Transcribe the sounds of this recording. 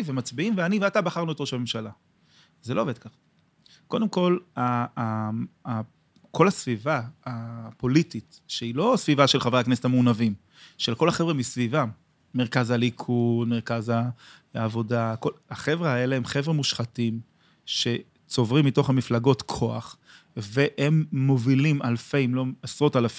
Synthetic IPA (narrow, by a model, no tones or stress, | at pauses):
vemat͡sbiimveaniveatabaχaʁnujot̪oʃame̞mʃala | zelo̞ːve̞d̪̚kaχḁ | ko̞d̪e̞mko̞laa | kʰolasvivaapo̞litit | ʃeilo̞svivaʃelχavʁaknesetameunavim | ʃelko̞laχevʁemisvivamː | eʁkazalikʰudmeʁkazaː | vo̞dako̞laχe̞vʁeae̞leemχe̞vʁemuʃχatim | ʃe̞ | t͡so̞vʁimːito̞χhamiflaɡo̞tkʰo̞aχ | veʔemːo̞vilimalfe̞jmlo̞asʁo̞talaf